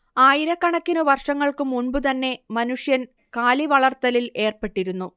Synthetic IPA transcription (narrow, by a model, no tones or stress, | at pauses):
aːjiɾɐkːɐɳɐkːinɨʋɐrʂɐŋːɐɭkumuɳbɨt̪ɐnːe̞mɐnuʂjɐn | kaːliʋɐɭɐrt̪ɐlile̞ːrpe̞ʈːiɾunːu